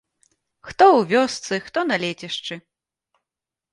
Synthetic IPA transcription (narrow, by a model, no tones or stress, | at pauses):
xt̪ɔwvʲɔst̪sɨxt̪ɔnalʲɛt͡sʲɛʂt͡ʂɨ